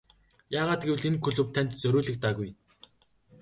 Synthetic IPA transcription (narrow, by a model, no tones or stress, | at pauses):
jaːʁaːt̪̚ɡew̆ɮenkʰɵɮɵ̆wpt̪ʰːæn̥ʲt̪t͡sɵɾʊːɮɘ̆k̚t̪aːɣuj